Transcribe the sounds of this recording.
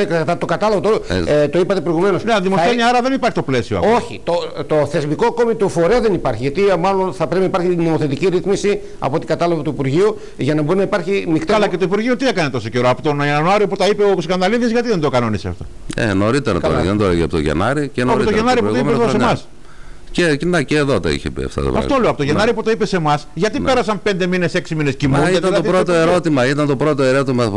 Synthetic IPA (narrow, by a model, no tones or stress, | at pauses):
ekɐt̪ɐt̪okɐt̪ɐlɐvɐt̪olt̪oipɐt̪epɾo̞iɣume̞nosneɐðimoseniɐɾɐðenipɐɾçit̪o̞plesioɐ̰o̞çḭt̪ot̪oθe̞zmiko̞ɐko̞mit̪ufo̞ɾeɐðenipɐɾçiʝɐt̪imɐlonθɐpɾe̞pinɐipɐɾçino̞moθe̞t̪iciɾiθmisi | ɐ̰poot̪ikɐt̪ɐlɐvɐt̪uipuɾʝiu | ʝɐnɐboɾinɐipɐɾçinikt̪iɐlɐcet̪uipuɾʝiut̪iekɐnet̪o̞so̞ce̞ɾoɐpot̪onnoɐɾio̞put̪ɐipeoskɐnd̪ɐliðizʝɐt̪iðe̞nd̪okɐno̞niseɐ̰ft̪o̞̰ | ḛno̞ɾit̪eɾɐtɐo̰ḛðed̪oleʝiɐpot̪oʝḛnɐɾicenoɾot̪oʝenɐɾiputoieosemɐs | cenɐceːðot̪ɐ̰ḭçḛpḭɐ̰ft̪ɐ̰t̪ɐ̰pɐ̰fɐfoleɐpot̪oʝenɐɾiput̪oipe̞se̞mɐsʝɐt̪ipe̞ɾɐsɐmpe̞nd̪e̞mine̞se̞ksimine̞scimuniɐt̪ɐðɐoɾot̪oeɾo̞t̪imɐit̪ɐnt̪o̞pɾot̪oe̞ɾot̪imɐ